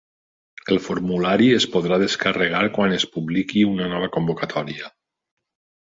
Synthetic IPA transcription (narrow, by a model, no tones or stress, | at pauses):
elˠfoɾmulaɾiespoðɾaðeskareɣ̞aɾkwanespuβlikiunanɔβ̞akombokat̪ʰɔɾia